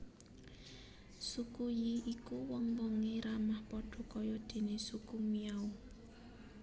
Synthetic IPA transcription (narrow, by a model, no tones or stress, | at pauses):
sukujiikuwɔŋwɔŋeɾamahpɔɖ̥ɔ̤kɔjɔd̪̥e̤nesukumijau